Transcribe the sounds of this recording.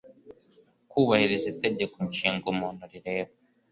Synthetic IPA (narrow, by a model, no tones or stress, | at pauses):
kuːβahiɾiziteɟe̞koɲt͡ʃiːŋɡumuːnoɾiɾe̞ːβa